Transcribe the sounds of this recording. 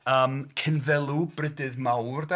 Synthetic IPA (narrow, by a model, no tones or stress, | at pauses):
əːmkʰɪnðɛlˠubrɪdɨðmawrda